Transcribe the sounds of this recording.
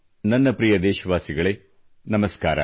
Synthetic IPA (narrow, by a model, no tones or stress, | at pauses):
nɐnːɐpɾijɐd̪eːʃɐʋaːsiɡɐɭeː | nɐmɐskaːɾɐ̰